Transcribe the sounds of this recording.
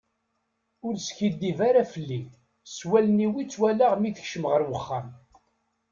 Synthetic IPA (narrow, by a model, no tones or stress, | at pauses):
ʊɾsçid̪ːivaɾafəlːi | swæləniwit͡sːwælaʁmiθəçʃəməʁəɾwəχːam